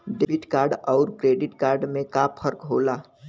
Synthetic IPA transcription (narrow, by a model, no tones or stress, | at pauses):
ɖebiʈkaɾɖɔʊɾkɾeɖiʈkaːɾɖmẽkapʰəɾkɦola